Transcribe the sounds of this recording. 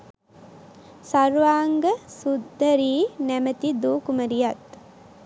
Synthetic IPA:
saɾʋaːŋɡəsud̪ːəɾiːnæmət̪id̪uːkuməɾijat̪

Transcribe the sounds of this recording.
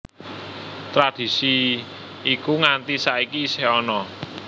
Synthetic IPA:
t̪ɾad̪̥i̤si | ikuŋant̪isaikisehɔnɔ

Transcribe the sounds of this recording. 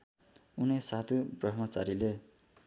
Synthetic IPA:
unesat̪ʰuprʌt̪ʰmʌt͡saɾile

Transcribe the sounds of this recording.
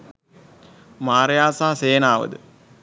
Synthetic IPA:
maːɾjaːsaːseːnaːʋə̰d̪ə

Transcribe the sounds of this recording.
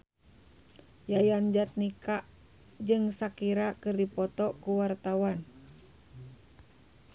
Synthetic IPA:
jajand͡ʒat̪̚nikaʔ | d͡ʒɨŋsakiɾakɨrdipɔt̪ɔkuwart̪awan

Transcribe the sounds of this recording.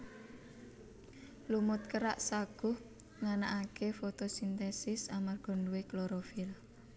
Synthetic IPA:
lumʊt̪̚kəɾaʔsaɡ̥ʊh | ŋanaʔakefot̪osint̪ɛsɪsamarɡ̥ɔ̤ɳɖueklɔɾofɪl

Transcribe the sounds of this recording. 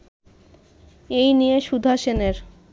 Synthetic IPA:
ejnijeʃud̪ʱaʃeneɾ

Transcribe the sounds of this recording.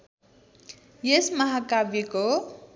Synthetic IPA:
jesmʌɦakabiko

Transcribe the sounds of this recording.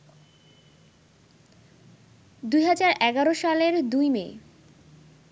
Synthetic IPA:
d̪ujɦad͡ʑaɾʔɛɡaɾoʃaleɾd̪ujmeː

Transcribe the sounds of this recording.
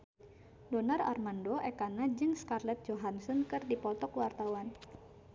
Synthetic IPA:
dɔnara̰rmandoʔɛkanad͡ʒɨŋskarlɛt̪̚d͡ʒoɦansɔnkɨrdipɔt̪ɔkwart̪awan

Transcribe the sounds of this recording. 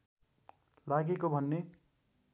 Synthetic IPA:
laɡekobʱʌnːe

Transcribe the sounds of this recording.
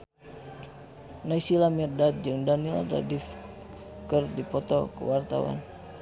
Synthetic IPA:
naisilamirdat̪̚d͡ʒɨŋdanilda̰dif | kərdipɔt̪ɔkə̰wart̪a̰wa̰n

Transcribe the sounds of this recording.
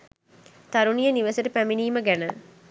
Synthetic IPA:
t̪ɐɾunijɐniʋɐsɐʈupæminiːməɡænə

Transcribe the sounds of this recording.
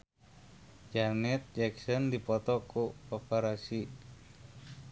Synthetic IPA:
d͡ʒanɛt̪̚d͡ʒɛksɔndipɔt̪ɔkuopɛɾasi

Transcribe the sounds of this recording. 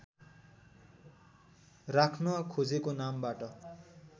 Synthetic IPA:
rakʰnʌkʰod͡zekonambaʈʌ

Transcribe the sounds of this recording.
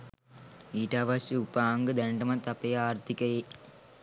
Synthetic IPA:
iːʈaːʋasuupaːŋɡɯd̪ɐnɖɐmɐt̪ɐpejaːrt̪ikɐje

